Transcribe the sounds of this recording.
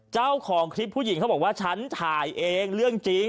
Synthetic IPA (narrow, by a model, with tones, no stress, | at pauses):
t͡ɕaː˥˩wkʰɔː˨˩˦ŋkʰɾi˦˥p̚ʰːuː˥˩ji˨˩˦ŋʰka˦˥bɔː˨˩k̚waː˥˩t͡ɕʰa˦˥nt͡ɕʰaː˨˩jʔeː˧ŋɾɯ˥˩əŋt͡ɕi˦˧˥ŋ